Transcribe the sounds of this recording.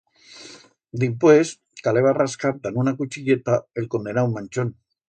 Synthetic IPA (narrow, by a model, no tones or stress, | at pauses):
d̪ipwes | kaleβaraskaɾt̪anunakut͡ʃiʎet̪aelkond̪enawmanʲt͡ʃon